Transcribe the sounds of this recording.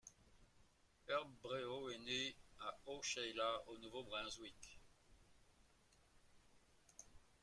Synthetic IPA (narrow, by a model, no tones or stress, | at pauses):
œʁbʁeoeneaoʃɛjlaonuvobʁɛ̃zwik